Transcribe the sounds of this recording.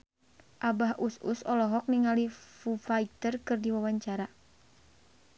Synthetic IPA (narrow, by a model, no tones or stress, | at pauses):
ʔabaɦʔusṵsɔlɔɦɔk̚niŋalifufait̪ərkɨrdiwawaɲt͡ʃaɾa